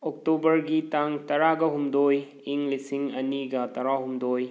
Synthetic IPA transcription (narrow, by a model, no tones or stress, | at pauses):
ok̚tobɐɾɡitaŋtɐɾaɡɐɦumdoj | iŋlisiŋɐniɡɐtɐɾaɦumdoj